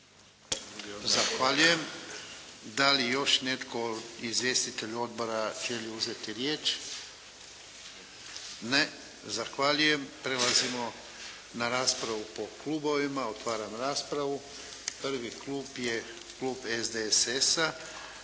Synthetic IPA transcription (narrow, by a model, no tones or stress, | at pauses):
zaxʋaːʎuje̞m | d̪alijo̞ʃne̞t̪koizʋje̞ːst̪it̪e̞ʎuo̞d̪̚bo̞ɾaʒeliuzet̪iɾje̞ːt͡ʃ | ne | zaxʋaʎuje̞mpɾe̞lazimo̞ | naɾaːspɾaʋupo̞klˠuːbo̞ʋimaot̪ʋaːɾamɾaːspɾaʋu | pr̩ʋikluːpje̞ | kluːbezd̪eesesa